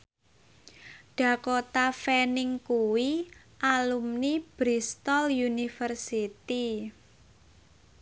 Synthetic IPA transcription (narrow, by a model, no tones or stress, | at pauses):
ɖ̥ä̤kot̪afenɪŋkuwi | ʔalumnib̥ɾist̪ɔljunifərsit̪i